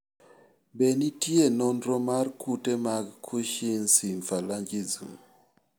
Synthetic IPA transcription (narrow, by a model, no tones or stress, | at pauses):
bɛnitienɔndɾɔmarkutɛmaɡkʰuʃinsiɱfalaɲd͡ʒizṵm